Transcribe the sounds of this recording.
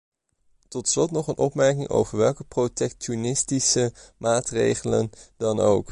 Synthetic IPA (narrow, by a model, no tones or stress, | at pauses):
tɔtslɔtnɔχənʔɔpmɛɹkɪŋʔo̰wvəɹʋɛlˠkəprotɛktonɪstisəmaːtrḛjχələ̰ndɑno̰wk